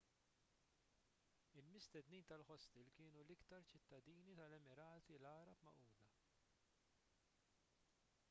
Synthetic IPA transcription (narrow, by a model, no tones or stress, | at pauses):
ɪlmɪst̪ɛd̪niːnt̪ɐlħɔst̪ɪlkɪːnulɪkt̪ɐɾt͡ʃɪt̪ːɐd̪iːnit̪ɐlɛmɪɾɐːt̪ilɐːɾɐpmɐ̰ʔuːd̪ɐ